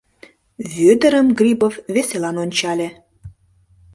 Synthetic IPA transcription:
vød̪əɾəmɡrʲibofveselɑnonʲt͡ɕɑlʲe

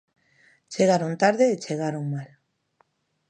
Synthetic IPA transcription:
t͡ʃeɣ̞aɾont̪aɾðeːt͡ʃeɣ̞aɾoŋmal

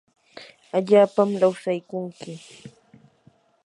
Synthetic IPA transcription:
aʎaːpamɾawsajkʊŋkɪ

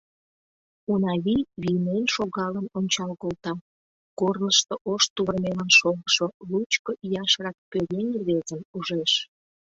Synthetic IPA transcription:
unɑβiβinenʃoɣɑlənonʲt͡ɕɑlkolt̪ɑ | kornəʃt̪oʔoʃt̪uβərmelɑnʃoɣəʃolut͡ɕkoʔijɑʃrɑk̚pøɾenʲβezəmuʒeʃ

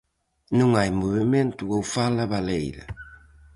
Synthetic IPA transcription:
nũŋajmoβimẽnt̪uowfalɐβalejɾɐ̰

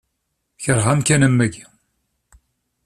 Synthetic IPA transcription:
çəɾˤʁamkænəmːæɡi

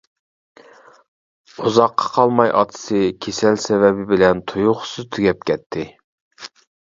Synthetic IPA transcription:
uzɑqʰːɑ̥qʰɑlˠmɑjʔɑ̰t̪ʰɨ̥sɨkʲʰesɛlsɛvɛbɪbɪlɛnt̪ʰujʊχʊ̥sɨzt̪ʰyɡʲɛp̚kʲʰɛt̪ʰːɪ

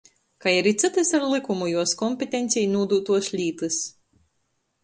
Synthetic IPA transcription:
kajiɾit̪sɨt̪ɨsaɾlˠɨkumujuɔskɔmʲpʲet̪ʲent̪sʲijnuːd̪uːt̪uɔslʲiːt̪ɨs

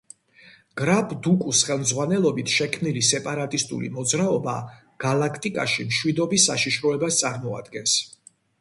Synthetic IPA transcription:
ɡ̥ɾapʰd̪ukʼusχɛlˠmd̪zʁwanɛlˠɔbit̪ʰʃɛkʰmnilisɛpʼaɾat̪ʼist̪ʼṵlḭmɔd̪zɾaɔba̰ | ɡ̥alˠakʰt̪ʼikʼa̰ʃimʃwid̪ɔbisːaʃiʃɾɔɛbast̪sʼaɾmɔa̰d̪ɡɛns

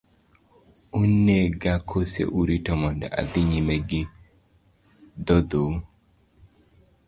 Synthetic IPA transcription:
unːeɡakʰosḛʔuɾitɔmɔnda̰ʔa̰d̪iɲimɛɡɪ | d̪ɔd̪o

